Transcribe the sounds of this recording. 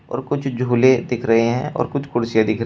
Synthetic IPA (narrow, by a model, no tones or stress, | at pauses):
ɔ̰ːɾkʊt͡ʃʰd͡ʒʱuːled̪ɪkʰɾɐɦeɦɛ̃ʔɔ̰ːɾkʊt͡ʃʰkʊɽsjad̪ɪkʰɾ